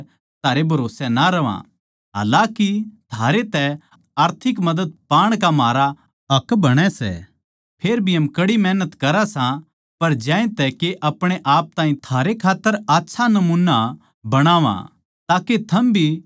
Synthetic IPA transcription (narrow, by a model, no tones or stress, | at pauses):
t̪ʰaːɾebʱɐɾoːsɛnaɾɐʋã̰ | ɦa̰ːlãkit̪ʰaːɾet̪ɛ | aːɾt̪ʰɪkmɐd̪əd̪̚paːɽ̃kamaːɾa | ɐkbɐɽ̃ɛsɛ̰ | pʰeːɾbʱiɦɐmkɐɽimɛːnət̪kɐɾasã | pɐɾd͡ʒaːẽt̪ɛkeʔɐpɽ̃eʔaːp̚t̪aːɦĩt̪ʰaːɾekʰaːt̪ːəɾaːtːʃʰanɐmuːnːa | bɐɽ̃aːʋã̰ | t̪aːket̪ʰɐmbʱi